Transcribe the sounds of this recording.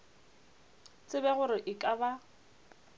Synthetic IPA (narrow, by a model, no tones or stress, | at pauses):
t͡sʼɪbɛɣʊɾɪʔɪkʼaba